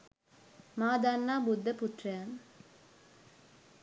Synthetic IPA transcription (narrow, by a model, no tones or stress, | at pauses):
maːd̪anːaːbud̪ːəput̪rɐjan